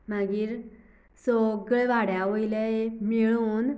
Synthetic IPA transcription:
maɡiːɾ | soɡəɭʋaɽ̤jaʋojləemiɭuːn

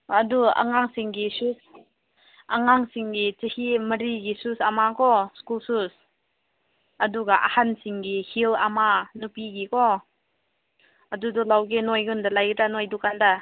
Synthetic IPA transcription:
ɐdua̰ŋaŋsiŋɡisus | ʔaŋaŋsiŋɡit͡ʃehiməɾiɡisusamakʰɔskulsus | ɐduɡaʔa̰hansiŋɡihilamanupiɡikʰɔ | ɐdudɔlawɡenojɡɯndalajɡdanojdukanda

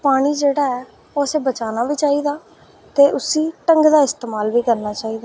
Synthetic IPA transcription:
paːɽ̃iːd͡ʒeːɽaːɛː | oːəseːbət͡ʃaːnaːʋiːt͡ʃaːiːd̪aː | t̪eːʔʊsiːʈəŋɡd̪aːɪst̪eːmaːlʋiːkəɾnaːt͡ʃaːiːd̪aː

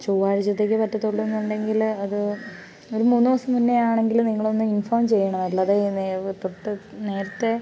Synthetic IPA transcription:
t͡ɕoːʋaːɻit͡ɕːɐt̪̬ːe̞ːk̬ʲːɨpɐʈːɐt̪ːoɭːunːuɳɖe̞ŋɡilɐðɨ | o̞ɾumuːnːuʋɐsɐmunːeaːɳe̞ŋɡilniŋːɐɭo̞nːɨinfoːmt͡ɕe̞jːɐɳɐmɐɭːɐðenet̪ːot̪ːene̞ːɾɐt̪ːe̞

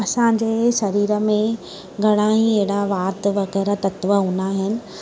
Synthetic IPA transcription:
ɐsãɲd͡ʑeːʃɐɾiːɾə̆mẽ | ɡʱɐɽ̃aɦiɐɦɪɽaʋaːt̪ʋɐɣɛːɾat̪ɐt̪ʋəɦũːnd̪aɦɪnɪ̆

